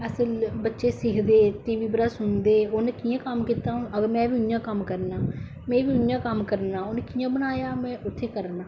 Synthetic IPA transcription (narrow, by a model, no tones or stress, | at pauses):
əsəlbətːʃeːsɪkʰd̪eːʈiːʋiːbəɾaːsʊnd̪eːoːneːkiːãːkəmkiːt̪ãːəɡəmɛ̃ːʋiːʊnjãːkəmkəɾnaː | mɛ̃ːʋiːʊnjãːkəmkəɾnaːoːneːkijãːbənaːjaːmɛ̃ːʊt̪ʰːeːkəɾnãː